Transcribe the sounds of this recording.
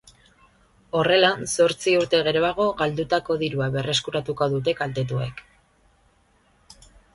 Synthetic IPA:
o̞re̞lanso̞ɾt͡siuɾt̪e̞ɣ̞e̞ɾo̞aɣ̞o̞ɣald̪ut̪ako̞ðiɾuaβe̞rʔe̞skuɾat̪uko̞ðut̪̬e̞kald̪e̞t̪ue̞̰k

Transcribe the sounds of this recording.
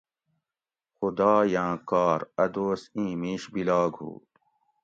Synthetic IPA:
xud̪ɑːjãːkɑːɾɐd̪oːsĩːmiːɕbilɑːɡhṵː

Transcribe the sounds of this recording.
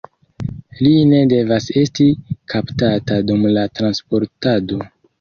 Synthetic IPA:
line̞de̞vase̞stikʰaptatadumlatɾanspo̞ɾtado̞

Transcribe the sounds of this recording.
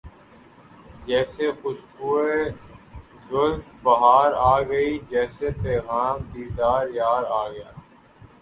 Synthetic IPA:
d͡ʒɛːsexʊʃkuːe | zʊlfbɐɦaːɾaːɡəid͡ʒɛːsepɛːɣaːmd̪iːɾd̪aːɾjaːɾaːɡəjaː

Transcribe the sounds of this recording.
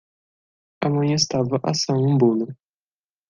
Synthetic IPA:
ɐmɐ̃j̃est̪avɐʔɐsɐ̃w̃ũbũnʊ

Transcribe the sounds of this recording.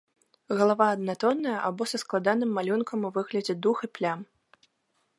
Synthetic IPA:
ɣɐlˠavaɐd̪nat̪ɔnːɐjɐʔabɔsɐsklˠad̪anɨmːalʲunkʰɐmuvɨɣlʲɐd͡zʲɛd̪uxiplʲam

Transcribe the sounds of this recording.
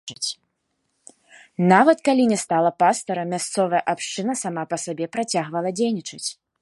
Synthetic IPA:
t͡sʲ | navɐt̪kalʲinʲɛst̪alˠɐpast̪ɐɾɐmʲast̪sɔvɐjɐʔapʂt͡ʂɨnɐsamapɐsabʲɛpɾat͡sʲaɣvɐlˠɐd͡zʲejnʲit͡ʂɨt͡sʲ

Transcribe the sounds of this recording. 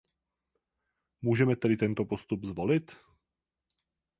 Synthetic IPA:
muːʒɛmɛt̪ɛdɪt̪ɛnt̪opost̪ubzvolɪt̪

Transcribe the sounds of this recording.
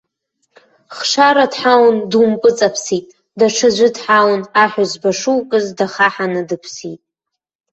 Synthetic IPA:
χʂaɾadħawndumpʼɨt͡sʼapʰsitʼ | daʈ͡ʂʰɨʒʷɪdħawnaħᶣazbaʂuwkʼɨzdaχaħanɨdɨpʰsitʼ

